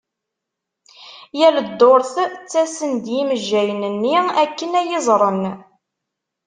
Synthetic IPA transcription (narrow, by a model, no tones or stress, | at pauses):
jæləd̪ːoɾθt͡sːæsənd̪jiməʒːæjənənːiækːənæjɪzˤɾˤən